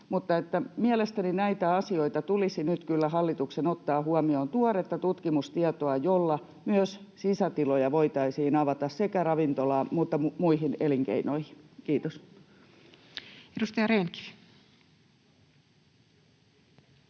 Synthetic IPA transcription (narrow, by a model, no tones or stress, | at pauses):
mut̪ːɑet̪ːæmielest̪æninæit̪æɑsio̞it̪ɑt̪ulisinyt̪kylːæhɑlːit̪uksenot̪ːɑːhuɑmioːnt̪uoret̪ːɑt̪ut̪kimust̪iɑt̪oɑjolːɑ | myøssisæt̪ilojɑʋoit̪ɑisiːnɑʋɑt̪ɑssekærɑʋint̪olɑːmuːt̪ːɑmmuihineliŋkḛinoihi̥nkiːt̪os | edust̪ɑjɑɾeːnki̥f